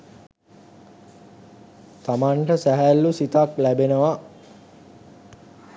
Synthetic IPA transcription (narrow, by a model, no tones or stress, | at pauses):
t̪amaɳʈəsæɦælːusit̪aklæbenəʋa